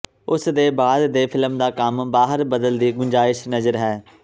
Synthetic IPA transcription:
ʊsd̪eːbaːd̪d̪eːpʰɪləmd̪aːkəmbaːɦəɾbəd̪əld̪iːɡʊɲd͡ʒaːɪʃnəzəɾɦɛː

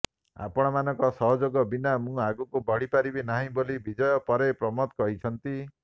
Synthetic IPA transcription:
a̰pɔɽ̃ɔmanɔ̃ŋkɔsɔɦɔd͡ʒoɡɔbinamũaɡukubɔɽipaɾibinaɦĩbolibid͡ʒɔjɔpɔɾepɾɔmɔt̪kɔɦit͡ʃʰɔnt̪i

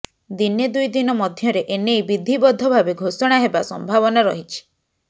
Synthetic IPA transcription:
d̪injed̪ujd̪inɔmɔd̪ʱjɔɾeʔenejbid̪ʱibɔd̪ʱɔbʱabeɡʱosɔɽ̃aɦebasɔ̰mbʱaβɔnaɾɔɦit͡ʃʰi̥

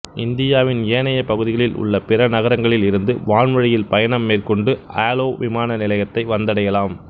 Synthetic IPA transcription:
ʔɪnd̪ɪjaːʋɪnjeːnɐjɐpɐɣɯðɪɣɐɭɪlʊ̰ɭːɐpɪɾɐnɐɣɐɾɐŋɡɐɭɪlɪɾɯnd̪ɯʋaːɳʋɐɻɪjɪlpɐjɐɳɐmːeːrkɔɳɖɯʔaːloːʋɪmaːnɐnɪlɐɣɐt̪ːɐɪʋɐnd̪ɐɽɐjɐlaːm

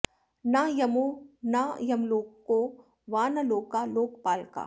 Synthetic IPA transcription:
najɐmonajɐmloːɡko | ʋaːnɐloːɡkːaloːk̚paːlka̰ː

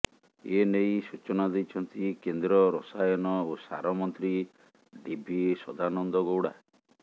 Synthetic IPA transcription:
enejsut͡ʃɔnad̪ejt͡ʃʰɔnt̪ikend̪ɾɔɾɔsajɔnɔosa̰ɾɔmɔnt̪ɾi | ɖibʱisɔ̰d̪ʱanɔnd̪ɔɡowɽa̰

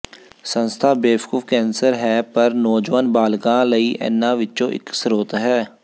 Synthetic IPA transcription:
sə̃nst̪ʰaːbeːʋkuːfʰkɛ̃ːnsəɾɦɛːpəɾnɔːd͡ʒʋənbaːlkãːləiːʔɛ̰̃ːnːãːʋɪːt͡ʃõːʔɪ̰ksɾoːt̪ɦɛː

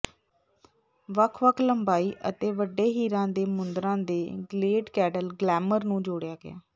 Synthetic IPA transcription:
ʋəkʰʋəkʰləmbaːiːʔə̰t̪eːʋəɖːeːɦiːɾãːd̪eːmʊnd̪ɾãːd̪eːɡleːɖkɛːɖəlɡlɛːməɾnũːd͡ʒoːɽjaːɡɪ̰ja̰ː

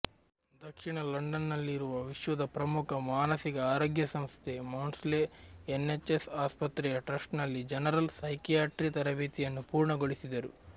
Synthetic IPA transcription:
d̪ɐkʂiɳɐlɐɳɖɐnːɐlːiɾuʋɐʋiʃʋɐd̪ʱɐpɾɐmukʰɐmaːnɐsiɡɐaːɾo̞ːɡjɐsɐmst̪ʰemɐwnsleːnːet͡ʃːesaːspɐt̪ɾɛjɐʈɾɐsʈnɐlːid͡ʒɐnɐɾɐlsɐjkijaːʈɾit̪ɐɾɐbeːt̪ijɐnːupuːɾɳɐɡoɽisid̪ɐɾu

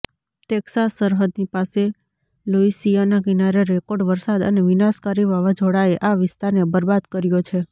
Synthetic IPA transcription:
t̪eksasəɾɦəd̪nipase | loisijanakinaɾeɾekoɖʋəɾsad̪ə̰neʋɪnaskaɾiʋaʋad͡ʒʱoɽaeʔaʋɪst̪aɾnebəɾbad̪kəɾjot͡ʃʰe

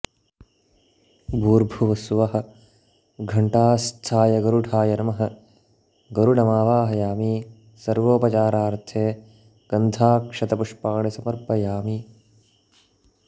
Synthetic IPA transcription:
bʱuːɾbʱuʋɐsuʋɐɦɐ̆ | ɡʱɐɳʈaːst̪ʰaːjɐɡɐɾuɖʱaːjɐɾɐmɐɦɐ | ɡɐɾuɽɐmaːʋaːɦɐjaːmiː | sɐɾʋoːpɐt͡ʃaːɾaːɾt̪ʰeː | ɡ̥ɐnd̪ʱaːkʂɐt̪ɐpuʂpaːɳisɐmɐɾpɐjaːmi

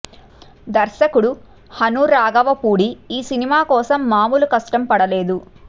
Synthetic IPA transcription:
d̪ɐɾʃɐkuɽu | hɐnuɾaːɡɐʋɐpuːɽiiːsinimaːkɔːsɐmːaːmulukɐsʈɐmpɐɽɐleːd̪u

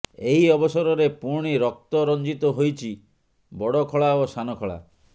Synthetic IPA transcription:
eɦiɔbɔsɔɾɔɾepuɾɽ̃iɾɔk̚t̪ɔɾɔnd͡ʒit̪ɔɦojt͡ʃʰi | bɔɽɔkʰɔɭaosanɔkʰɔɭa̰

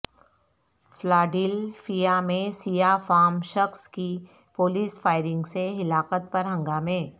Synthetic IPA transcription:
flaːɖɪlfijamẽsijafaːmʃɐxski | poːliːsfaːɪɾɪ̃ŋɡseɦɪlaːkət̪̚pɐɾɦɐ̃ŋɡaːmẽː

